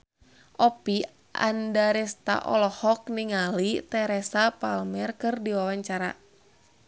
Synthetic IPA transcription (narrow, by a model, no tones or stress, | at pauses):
ʔɔpi | ʔa̰ndaɾɛst̪a̰ʔɔ̰lɔhɔk̚niŋalit̪ɛɾɛsapalmɛrkɨrdiwawaɲt͡ʃaɾa̰